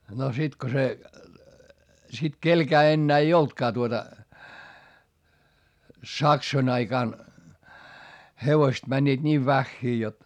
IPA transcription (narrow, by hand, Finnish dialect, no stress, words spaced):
no sit ko se sit kelkæː enːæː ei oltkɑː tuotɑ sɑksoĭn ɑikɑˑn heʋoĭst mænʲːiːt niːʋ ʋæxːiː jot